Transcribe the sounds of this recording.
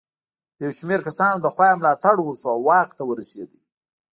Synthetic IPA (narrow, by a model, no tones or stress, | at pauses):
d̪əjawʃmeɾkasɑnod̪əxwɑjmlɑt̪aɽwəsuawːɑk̚t̪awəɾased̪ḭ